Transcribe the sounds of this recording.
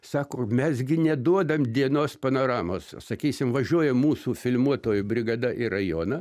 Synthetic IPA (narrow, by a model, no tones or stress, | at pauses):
sɑːkoːmʲɛsɡʲɪnʲɛd̪uɔd̪ɐmd̪ʲiɛnoːspɐnoːɾɑːmoːssɐkʲiːsʲɪmʋɐʒʲuɔjɛmmuːsuːfʲɪlʲmuɔt̪oːjʊbʲɾʲɪɡɐd̪ɐʔɪrɐjoːnɐ